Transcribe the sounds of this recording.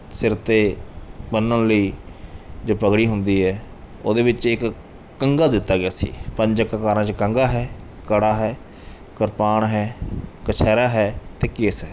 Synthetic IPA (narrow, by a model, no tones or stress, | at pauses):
sɪɾt̪eːbənːənləiː | d͡ʒoːpəɡɽiːɦʊnd̪iːɦɛː | o̰ːd̪eːbɪt͡ʃɪk | kəŋɡaːd̪ɪt̪ːaːɡɪaːsḭːpə̃ɲd͡ʒəkakaːɾãːt͡ʃəkəŋɡaːɦɛː | kəɽaːɦɛː | kəɾpaːɳɦɛːkət͡ʃʰɛːɾaːɦɛːt̪eːkɪsɦɛː